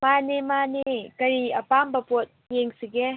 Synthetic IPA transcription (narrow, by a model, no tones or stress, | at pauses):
manemanekɐɾiɐpambɐpot̚jeŋsiɡɛ